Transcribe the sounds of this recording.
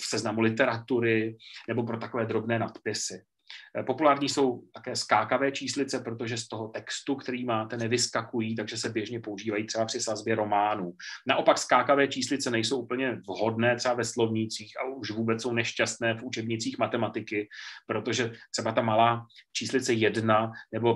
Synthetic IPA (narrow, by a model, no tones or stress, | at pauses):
fsɛznamulɪt̪ɛɾat̪uɾɪnɛbo̞pɾo̞t̪ako̞vɛːd̪ɾo̞bnɛːnat̪pɪsɪ | po̞pulaːɾɲiːso̞wt̪akɛːskaːkavɛːt͡ʃiːslɪt͡sɛpɾo̞t̪o̞ʒɛst̪o̞ɦo̞t̪ɛkst̪ukt̪ɛɾiːmaːt̪ɛnɛvɪskakujiːt̪̬aɡʒɛsɛbjɛʒɲɛpouʒiːvajit̪r̥ɛbapr̥ɪsazbjɛɾo̞maːnuːnaʔo̞pakskaːkavɛːt͡ʃiːslɪt͡sɛnɛjsowʔupl̩ɲɛvɦo̞dnɛːt̪r̥ɛbavɛslo̞vɲɪt͡siːxʔa̰uʃvuːbɛt͡sso̞wnɛʃcast̪nɛːfʔut͡ʃɛbɲɪt͡siːxmat̪ɛmat̪ɪkɪpɾo̞t̪oʒɛt̪ɛbat̪amalaːt͡ʃiːslɪt͡sɛjɛdnanɛbo̞